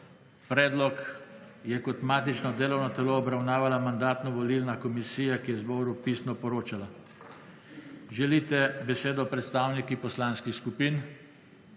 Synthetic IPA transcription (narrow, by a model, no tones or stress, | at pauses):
pɾɛːd̪lɔk | jɛkɔt̪maːt̪it͡ʃnɔd̪eːlɔwnɔt̪ɛloːbɾawnaːʋalamand̪aːt̪nɔʋɔliːlnakɔmisiːjakijɛzbɔːɾupiːsnɔpɔɾoːt͡ʃala | ʒɛliːt̪ɛbɛseːd̪ɔpɾɛt̪st̪aːwnikipɔslanskixskupiːn